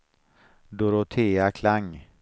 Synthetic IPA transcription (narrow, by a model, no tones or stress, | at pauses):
d̪oɾot̪ʰeːakʰlaŋ